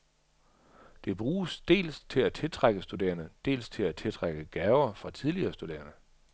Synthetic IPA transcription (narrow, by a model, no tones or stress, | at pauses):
d̥e̝b̥ʁuːsd̥e̝̰ːlst͡sʰe̝læt͡sʰe̝lt͡sʰʁaɡ̥əsd̥ud̥e̝̰ːɐnəd̥e̝̰ːlst͡sʰe̝læt͡sʰe̝lt͡sʰʁaɡ̥əɡ̥ɛːʊɐfʁɑ̈t͡sʰiðˠliɐːsd̥ud̥e̝̰ːɐnə